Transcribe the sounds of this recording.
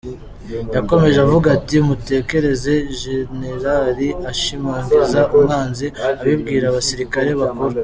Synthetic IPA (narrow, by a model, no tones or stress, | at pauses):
jako̞me̞ʒeavuɡatiumute̞ːke̞ɾe̞ze̞ʒe̞ne̞ɾaɾiaʃimaːŋɡizaʔumŋaːnziaβibɡiːɾaːβasiɾikaɾe̞βakoɾa